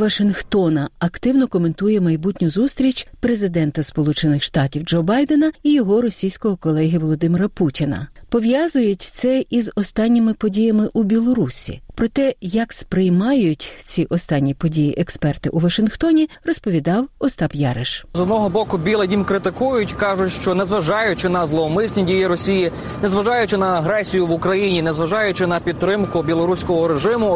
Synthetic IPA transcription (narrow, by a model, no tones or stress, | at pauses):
ʋɐʃɪnxt̪ɔnɐɐkt̪ɪwnɔkɔme̞nt̪ujɛmɐjbutʲnʲʊzust̪ɾʲit͡ʃʲpɾe̞zɪd̪ɛnt̪ɐspɔlˠut͡ʃenɪxʃt̪ɑtʲiwd͡ʒɔbɑjd̪enɐijɔɦɔɾɔsʲijsʲkɔɦɔkɔlˠɛɦʲiʋɔlˠɔd̪ɪmɪɾɐputʲinɐ̰pɔʋjɑzʊjʊtʲt̪sɛizɔst̪ɑnʲːɪmɪpɔdʲijɐmɪʔubʲilˠɔɾusʲḭpɾɔt̪ɛjɐkspɾɪjmɑjʊtʲt͡sʲiʔɔst̪ɑnʲːipɔdʲijiʔɛkspɛrt̪ɪʔʊʋɐʃɪnxt̪ɔnʲirɔspɔʋʲid̪ɑwɔst̪ɑbjɑɾɪʃzɔd̪nɔɦɔbɔkʊbʲilˠɐjʲimkɾɪt̪ɪkujʊtʲkɑʒʊtʲʃt͡ʃɔnezʋɐʒɑjʊt͡ʃɪnɐzlˠɔmɪsʲnʲidʲijiɾɔsʲiji | nezʋɐʒɑjʊt͡ʃɪnɐɐɦɾɛsʲijʊʋʊkɾɐjinʲinɛzʋɐʒɑjʊt͡ʃɪnɐpʲid̪t̪ːɾɪmkʊbʲilˠɔɾusʲkɔɦɔɾeʒɪmʊ